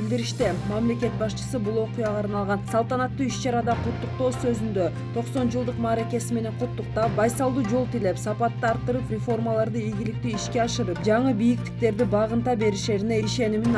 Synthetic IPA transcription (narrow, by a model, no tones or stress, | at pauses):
ild̪iɾiʃt̪emæmle̞kʲe̞t̪̚bɑʃt͡ʃɯ̥sɯbulˠo̞qujɑʁɑːɾnɑlˠʁɑnsɑlˠt̪ɑnɑt̪ːuiʃt͡ʃɑɾɑd̪ɑqʰut̪ːuq̚t̪o̞ːsø̞zynd̪ø | t̪ʰo̞qso̞nd͡ʒɯlˠd̪ɯqmɑːɾe̞kʲe̞sime̞ne̞ɴqʰʊt̪ːuq̚t̪ɑp̚bɑjsɑlˠd̪uːd͡ʒo̞lˠt̪ile̞psɑpɑt̪ːɑɑɾt̪ːɯɾɯprʲɪfo̞rmalˠɑɾd̪ɯiɡʲilik̚t̪yiʃke̞ɑʃɯɾɯp̚d͡ʒɑɴɯbijikt̪i̥k̚t̪e̞ɾd̪ibɑʁɯnt̪ɑbe̞ɾiʃe̞ɾine̞iʃe̞nimin